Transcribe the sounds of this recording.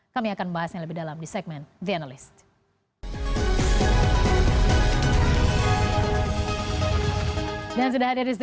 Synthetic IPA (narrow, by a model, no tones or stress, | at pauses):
kamiakanbaɦasɲaləbihdalamdisɛɡ̚mɛndianalɪst̪̚ | dans̬udahadiɾis̬